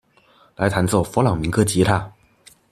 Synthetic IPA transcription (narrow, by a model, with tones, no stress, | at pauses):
la˧˥ɪt̪ʰa˧˥nt͡swɔ˥˩ʊfɔ˧˥lɑ˨˩ŋmi˧˥ŋkɤ˥˩t͡ɕi˧˥t̪ʰa˥˩